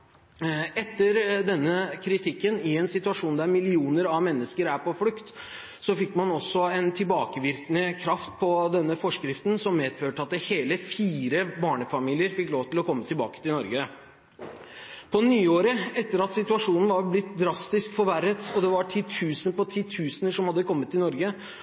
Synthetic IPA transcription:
ɛt̪ːəɾd̪ɛnːəkʰɾɪt̪ʰɪkːənɪɛnsɪt̪ʉɑʂuːnd̪æɾmɪlɪuːnəɾɑʋmɛnːəskəɾæɾpʰɔflʉkt̪ | sɔfɪkːmɑnɔsːɔɛnt̪ʰɪlbɑːkəʋɪɾknəkʰɾɑft̪̚pʰɔd̪ɛnːəfɔʂkɾɪft̪n̩sɔmmeːd̪føːʈəɑt̪̚d̪ɛheːləfiːɾəbɑːɳəfɑmiːlɪəɾfɪkːloːʋt̪ʰɪlɔkʰɔmːət̪ʰɪlbɑ̰ːkə̥t̪ɪlnɔɾɡə | pʰɔnyːoːɾəɛt̪ːəɾɑt̪sɪt̪ʉɑʂuːnn̩ʋɑɾblɪt̪d̪ɾɑst̪ɪskfɔɾʋæɾːət̪ɔd̪ɛʋɑʈʰiːt̪ʰʉːsənpɔt̪ʰiːt̪ʰʉːsənəʂɔmhɑd̪ːəkʰɔmːət̪ːɪlnɔɾɡə

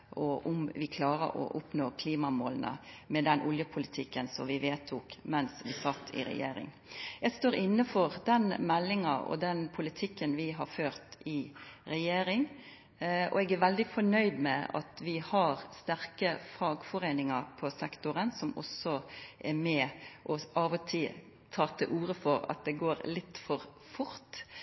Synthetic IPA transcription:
ʔɔʔʊmʋɪkʰlɑːɾə̰ɔ̰ʔʊpnoːkʰliːmɑmoːlnə̰mɛd̪ɛnʔʊljəpʰʊlɪt̪ʰɪkːənsɔmʋɪʋeːt̪ʰuːkmɛnsʋɪsɑt̪ʰːɪ̰ɾɛ̰jḛːɾɪ̰ŋ | jæɪst̪oːɾɪnːəfɔɾd̪ɛnmɛlːɪŋɑɔ̰d̪ɛnpʰʊlɪt̪ʰɪkːənʋɪɦɑɾføːɾt̪ɪɾɛjeːɾɪŋ | ɔ̰ɛːɡæɾʋɛld̪ɪfɔɳœʏd̪mɛ̰ɑ̰t̪ʋɪhɑɾst̪æɾkəfɾɑːɡfɔɾeɪnɪŋɑɾpʰɔsɛkt̪ʊɾənsɔmɔ̰sɔʔɛɾmɛʔɔɑːʋɔt̪ʰi | t̪ʰɑːt̪ʰɪʔuːɾəfɔɾɑ̰t̪̚d̪ɛɡoːɾlɪt̪ːfɔɾ | fʊɾt̪

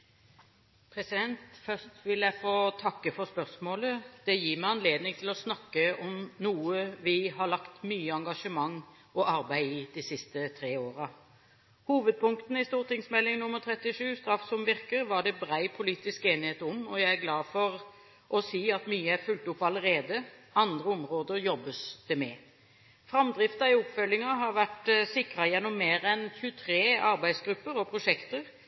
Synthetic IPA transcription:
pʰɾɛsɪd̪ɛnt̪fœst̪ʋɪljæɪfoːt̪ʰɑkːəfɔspœʁsmoːləd̪̥ɛjiːʁmæɪɑnleːd̪nɪŋt̪ʰɪlɔsnɑkːəɔmnuːəʋɪɦɑlɑkt̪myːəɑŋɡɑʂəmɑŋː | ɔʔɑɾbæɪɪd̪̥isɪst̪ət̪ʰɾeːoːɾɑ | huːʋəd̪̚pʰʊŋkt̪n̩ɪst̪uːʁʈ̪ɪŋsmɛlːɪŋnʊmːəɾt̪ʰʁɛt̪ːɪʂʉːst̪ɾɑfsɔmʋɪɾkəɾʋɑɖɛbɾæɪpʰʊliːt̪ɪskeːnɪheːt̪ʊmɔjæɪæɾɡlɑːfɔɾ | ʔɔsiːɑt̪myːəæfʉlt̪ʊpːʋɑləɾeːd̪əɑnd̪ʁəɔmʁoːd̪əɾjɔbːəsd̪̥ɛmɛ | fɾɑmd̪ɾɪft̪ɑɪɔpfœlːɪŋɑɦɑɾʋæʈsɪkɾɑjɛnːɔmːeːɾɛnçʉːt̪ʰɾeːɑɾbæɪd̪sɡɾʉpːəɾɔpʰʁʊʂɛkt̪əʁ

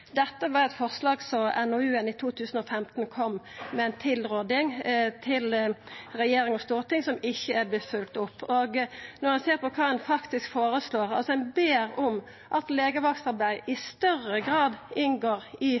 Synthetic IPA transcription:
d̪ɛt̪ːəʋɑɾɛt̪fɔʁslɑːɡsɔmɛnɔʉːɛnɪt̪ʰuːt̪ʰʉːsən̩ɔfɛmt̪n̩kʰɔmmɛɛɪnt̪ʰɪlɾoːd̪ɪŋt̪ʰɪlɾɛjeːɾɪŋɔst̪uːɾət̪ʰɪŋsɔmɪçːəæblɛfʉlt̪ʊpːoːɡnɔɾhɛnseːɾpɔkʰɑːɛnfɑkt̪ɪskfoːɾəsloːɾɑ̰lsɔɛnbeːɾɔm | ʔɑt̪leːɡəʋɑksɑɾbæɪɪst̪œɾəɡʁɑːd̪ɪnɡoːɾɪ

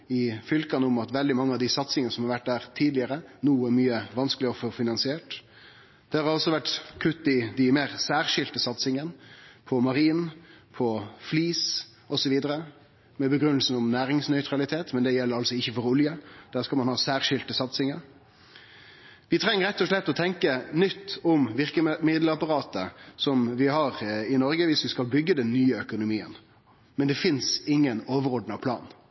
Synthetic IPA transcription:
ɪfʏlkɑnəʊmɑt̪ʋɛld̪ɪmɑŋːəɑʋd̪ɪsɑt̪sɪŋənəsɔmhɑɾʋæʈ̚ːd̪æːɾt̪ʰiːd̪lɪəɾənuːæɾmyːəʋɑnskəlɪɔfɔfɪnɑnsɪeːʈ | d̪̥ɛhɑɾhɑɾɔsːɔʋæʈkʰʉt̪ːɪd̪ɪmeːɾsæːʁʂɪlt̪əsɑt̪sɪŋənpʰɔmɑɾiːnpʰɔfliːs | ɔsɔʋiːd̪əɾə | mɛbəɡɾʉnːəlsn̩ɔmnæːɾɪŋsnœʏt̪ɾɑlɪt̪ʰeːt̪mɛnd̪ɛjɛlːəɾɑlsɔɪçːəfɔɾʊljəd̪̥æːʁskɑmɑnhɑːsæːʁʂɪlt̪əsɑt̪sɪŋəɾ | ʋɪt̪ʰʁɛŋːəɾɛt̪ːɔʂlɛt̪ːɔt̪ʰɛŋkənʏt̪ːʊmʋɪʁkəmɪd̪lɑpɑɾɑːt̪əsɔmʋɪhɑɾɪnɔɾɡəʋɪsʋɪskɑlbʏɡːəd̪ɛnːyːəœkʊnʊmiːə̰n | mɛnd̪ɛfɪnsɪŋːənoːʋəɾɔd̪nɑʋpʰlɑ̰ːn

